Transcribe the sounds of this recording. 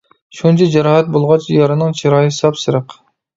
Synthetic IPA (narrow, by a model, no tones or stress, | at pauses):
ʃunt͡ʃʰid͡ʒɛɾɑːɦɛt̪̚bolˠʁɑt͡ʃʰjɑɾɨnɨŋt͡ʃʰiɾɑːjɨsɑpsɨɾəq